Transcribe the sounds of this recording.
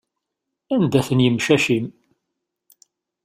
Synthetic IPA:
ænd̪æθənjəmʃæʃim

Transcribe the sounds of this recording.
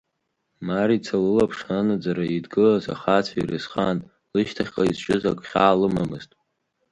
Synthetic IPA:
maɾit͡sʰalɨlapʰʂanad͡zaɾaidɡɨlaza̰χat͡sʰairɨsχan | lɨʃtʰaχʲqʼaizt͡ʃʼɪzakʷʼχʲaːlɨmamɨztʼ

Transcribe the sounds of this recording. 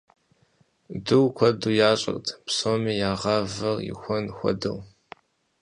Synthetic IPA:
dɨwkʷʰɔduːjaːɕʼɐ̰rtʰpsoːmiːjaːʁɐvɐljɪ̰xʷɔnxʷɔ̰dɨ̰w

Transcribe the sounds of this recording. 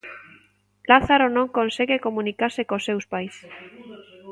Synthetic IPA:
laθaɾonõŋkonseɣekomũnikaɾsekosewspajs

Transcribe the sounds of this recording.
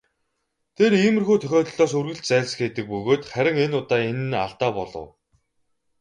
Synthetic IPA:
t̪ʰeriːmɘ̆rxuːt̪ʰœxʲɔːt̪̆ɮɔːs̬ɵrɣɘ̆ɬt͡ɕt͡sæːɮs̆xet̪ɘ̆k̚pɵɣoːt̪χæɾʲɪ̆ŋenʊt̪aːenɘ̆na̰ɮt̪aːpɔɮɞ̰̆w

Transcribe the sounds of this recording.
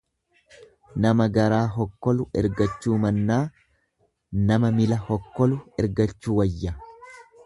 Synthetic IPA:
nɐmɐɡɐɾaːɦɔkːɔlʊɛ̰ɾɡɐt͡ʃːuːmɐnːaː | nɐmɐmɪlɐhɔkːɔlʊɛɾɡɐt͡ʃːuːwɐjːɐ

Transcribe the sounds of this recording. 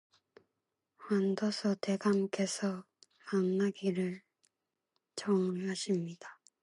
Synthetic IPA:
hwandʌsʰʌte̞ɡamke̞sʰʌ | maŋnaɡiɾɯɭ | t͡ɕʌŋɦaɕʰimɲid̥a

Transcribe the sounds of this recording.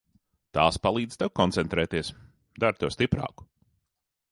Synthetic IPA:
t̪aːspalˠiːd̪z̥t̪ɛwkɔnt̪sɛnt̪ɾɛːt̪iɛs | d̪aɾt̪uɔst̪ipɾa̰ːku̥

